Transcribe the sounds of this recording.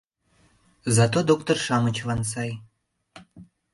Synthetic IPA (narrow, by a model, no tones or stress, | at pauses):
zɑt̪od̪okt̪orʃɑmət͡ɕvɑns̬ɑj